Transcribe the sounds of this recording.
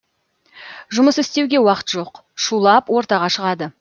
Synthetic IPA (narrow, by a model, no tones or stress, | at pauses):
ʒʊməsɪst̪e̞wɡʲe̞wɑqə̥t̪ʒo̞q | ʃulˠɑpwo̞ɾt̪ɑʁɑʃəʁɑd̪ə